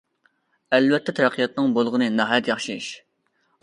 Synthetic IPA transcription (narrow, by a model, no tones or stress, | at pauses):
ɛlvɛt̪ʰːɛt̪ʰɾɛqʰijɑt̪nɨŋbolˠʁənɨnɑɦɑjɛt̪jɑχʃiʃ